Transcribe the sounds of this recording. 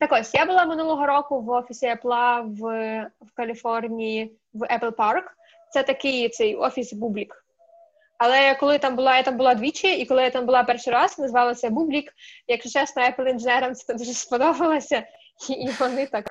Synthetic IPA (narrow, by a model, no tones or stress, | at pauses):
t̪ɐkɔsʲjabʊlˠɑmɪnulˠɔɦɔɾɔkʊʋɔfʲisʲiɐplˠɑʋwkɐlʲifɔrnʲiji | ʋɛpɪlˠpɑrk | t̪sɛt̪ɐkɪjt̪sɛjɔ̰fʲisbublʲik | ɐlˠɛkɔlˠɪt̪ɑmbʊlˠɑjat̪ɑmbʊlˠɑd̪ʋʲit͡ʃjɐikɔlˠɪjat̪ɑmbʊlˠɑpɛrʃiɾɑznɐzʋɑlˠɐsʲɛbublʲikjɐksʊt͡ʃɛsnɔɛpɪl̩ˠinʒenɛɾɐmsɛ̥t̪ɛd̪uʒɛspɔd̪ɔbɐlˠɐsʲɐ | iʋɔnɪt̪ɑk